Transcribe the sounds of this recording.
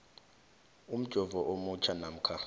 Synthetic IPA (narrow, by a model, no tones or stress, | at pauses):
ʊm̩t͡ʃʼɔvɔʔomʊt͡ʃʰanam̩kʰa